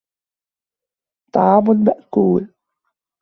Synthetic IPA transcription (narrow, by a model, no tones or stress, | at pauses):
t̪ˤːɑ̰ʕɑːmʊlmaʔkuːl